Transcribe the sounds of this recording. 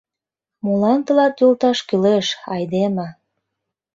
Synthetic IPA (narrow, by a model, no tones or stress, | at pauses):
molɑnt̪əlɑt̪jolt̪ɑʃkyleʃɑjd̪emɑ